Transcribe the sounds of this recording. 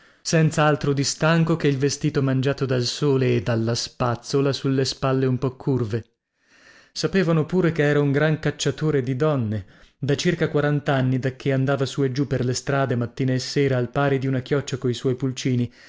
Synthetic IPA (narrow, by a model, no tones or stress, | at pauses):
sɛnt̪saalt̪ɾod̪ist̪aŋkokeilvest̪iːt̪omand͡ʒaːt̪od̪alsoːleːd̪alːaspat̪solasulːespalːeumpɔkʰːurve | sapeːvanopuːɾekeɛːɾauŋɡɾaŋkat͡ʃːat̪oːɾed̪id̪ɔnːed̪at͡ʃirkakwaɾant̪anːid̪akːeand̪aːvasued͡ʒupːerlest̪ɾaːd̪emat̪ːiːnaesːɛːɾaːlpaːɾid̪iunakjɔt͡ʃːakoiswɔjpult͡ʃiːni